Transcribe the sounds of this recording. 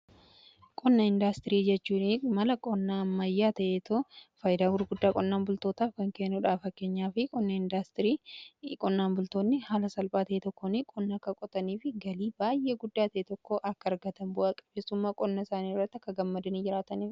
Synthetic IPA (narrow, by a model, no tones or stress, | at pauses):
kʼɔnːɐɪnd̪ast̪ɪɾiːd͡ʒɛt͡ʃːuːnɪmɐlɐkʼɔnːaːmːɐjːaːt̪ɐʔeːt̪ofɐjd̪aːɡʊɾɡʊd̪ːaːkʼɔnːaːnbʊlt̪o̞ːt̪aːfkɐŋkeːnːʊᶑaːfɐkːe̞ːɲːaːfɪkʼɔnːɐɪnd̪ast̪ɪɾiːkʼɔnːaːnbʊlt̪oːnːɪhaːlɐsɐlpʼaːt̪ɐʔet̪ɔkːonɪkʼɔnːɐkːɐkʼɔt̪ʼɐniːfɪɡɐliːbaːjʔeːɡʊd̪ːaːt̪ɐʔet̪ɔkːoʔɐkːɐːɾɡɐt̪ɐnbʊʔɐkʼɐbeːsʊmːaːkʼɔnːɐɪsaːniːɪrːɐt̪ːɐkːɐɡɐmːɐd̪ɐnid͡ʒɪɾaːt̪ɐniːf